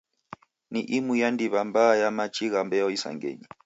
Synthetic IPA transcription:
niʔimujandiβambajamat͡ʃʰʼiɣambɛjɔisa̰ŋɡḛːɲi

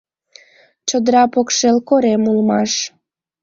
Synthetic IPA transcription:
t͡ɕod̪ɾɑpokʃelkoɾemulmɑʃ

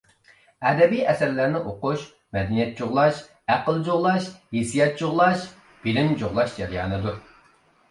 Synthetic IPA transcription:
ɛd̪ɛbijʔɛsæɾlæɾnɪʔoqʊʃ | mɛd̪ɛnijɛt̪̚d͡ʒoʁlˠɑʃ | æqəlˠd͡ʒoʁlˠɑʃhesijɛt̪̚t͡ʃoʁlˠɑʃ | b̥ɪlɪmd͡ʒoʁlˠɑʃd͡ʒɛɾijɑ̰ːnɨd̪uɾ

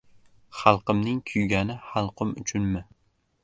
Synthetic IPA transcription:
χɑlˠqɨmnɪŋkʲʰʊjɡʲanɪχɑlˠqʰɨmʊ̰t͡ʃʰʊnmɪ

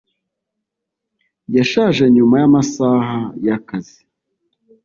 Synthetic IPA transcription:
jaʃaːʒeɲumajamasaɦajakazi

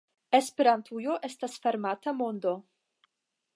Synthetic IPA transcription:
espeɾant̪ʰujo̞ʔest̪asfeɾmat̪amo̞nd̪o

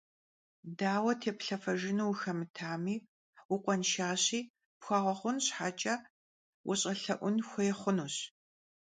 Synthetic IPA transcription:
daːwɐtʰeːpɬɐfɐʒɪnuwxɐmɨtʰaːmiː | wʊqʷʼɔnʃaːɕiː | pxʷɐʁɐχʷʊnɕħat͡ʃʼɐ | wʔʊɕʼɐɬɐʔʷʊnxʷɔjɛχʷʊnuːɕ

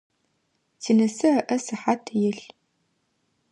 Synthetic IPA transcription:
t͡sʰinɐsɨɐʔɐsɨħatʰjɪɬ

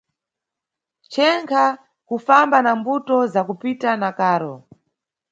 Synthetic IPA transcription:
t͡ʃɛŋkʰa | kufambanambutɔzakupitanakaːɾɔ

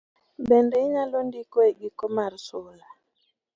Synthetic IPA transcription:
bɛndɛiɲalondikwɛɡikɔmaɾsola

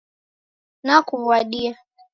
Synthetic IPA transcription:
nakuwaɗia

